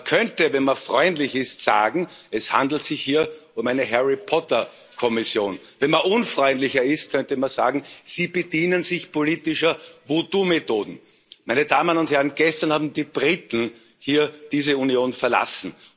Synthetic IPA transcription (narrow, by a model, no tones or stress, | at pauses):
mɐkʰœntəvɛnmɐfʁɔʏndlɪçɪstsa̰ːɡŋ̩ɛshã̰nd̪l̩tsɪçhiːɐ | ʊmæɪnəɦɛʁɪpʰɔtɐ | kʰɔmɪsjoːn | vɛnmaʔʊnfʁɔʏndlɪçɐɪst̚kʰœntəmanza̰ːɡŋ̩z̥iːbəd̥iːnənzɪçpʰoliːtɪʃɐvodumetoːdn̩ | mæɪnədaːmənʊnthɛɐʁənɡ̥ɛstɐnhaːbm̩d̪iːb̥ʁit̪n̩ | hiːɐd̥iːzəunjoːnfɛɐla̰sn̩